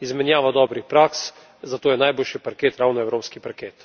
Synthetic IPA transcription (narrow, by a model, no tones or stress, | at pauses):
izmɛnjaːʋad̪ɔːbɾixpɾaːks | zat̪oːjɛnajboːlʃipaɾkeːt̪ɾaːwnɔɛwɾoːpskipaɾkeːt̪